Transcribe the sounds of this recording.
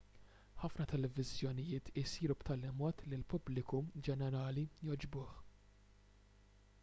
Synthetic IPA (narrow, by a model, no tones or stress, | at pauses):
ħɐfnɐt̪ɛlɛvɪzjɔnɪjɪːt̪ɪsiːɾupt̪ɐlɪmɔːt̪lɪlpʊblɪkud͡ʒɛnɛɾɐːlijɔd͡ʒbʊːħ